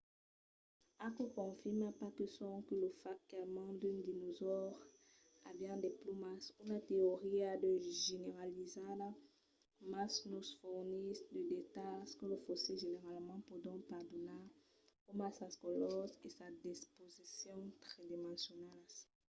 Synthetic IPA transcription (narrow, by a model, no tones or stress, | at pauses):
akokɔ̃fimapakəsɔ̃kəlofakalmɑ̃d̪ynd̪inozɔʁ | abjɛ̃d̪eplomasynat̪eoʁiad̪øʒeneʁalizada | masnosfuʁnisd̪əd̪et̪askəlofoseʒeneʁalmɑ̃pod̪ɔ̃paʁd̪ona | omasaskɔlɔzesad̪ispozisjɔ̃t̪χɛd̪imɑ̃sjonalas